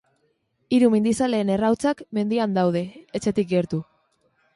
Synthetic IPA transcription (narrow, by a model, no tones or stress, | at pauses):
iɾumind̪isale̞ːne̞rawt͡sakme̞nd̪iand̪awð̞e̞ːt͡ʃe̞t̪ik̚ɡe̞ɾt̪u